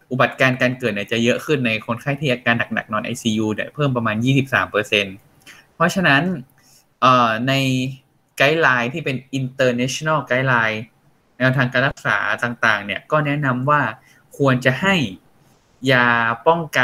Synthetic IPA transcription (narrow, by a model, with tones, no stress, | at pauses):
ʔu˨˩ba˨˩t̪̚kaː˧nkaː˧nkɤː˨˩t̪̚niː˧˥˩t͡ɕa˨˩jɤ˦˥ʔkʰɯ˥˩nːa˧jkʰo˧nkʰa˥˩jt̪ʰiː˥˩ʔaː˧kaː˧nːa˨˩k̚na̰˨˩k̚nɔː˧nʔa̰˧jsiː˧juː˧di˨˩pʰɤː˥˩mp̬ɾa˧maː˧njiː˥˩si˨˩p̚sa̰ː˩˦mpɤː˧se˧n | pʰɔ˦˥t͡ɕʰa˧na˦˥n | ʔɤː˨˩na˧j | ka˦˥jlaː˧jt̪ʰiː˥˩pe˧nʔi˧nt̪ɤː˧nɛː˦˥t͡ɕʰo˧na˥˩ka˦˥jlaː˧j | nɛː˧wt̪ʰaː˧ŋkaː˧nlɾa˦˥k̚sa̰ː˩˦t̪aː˨˩ŋt̪aː˨˩ŋni˥˩ɐkɔː˥˩nɛ˦˥na˧mwaː˥˩ | kʰu˧ənt͡ɕa˨˩ha˥˩j | jaː˧pɔ˥˩ŋka˧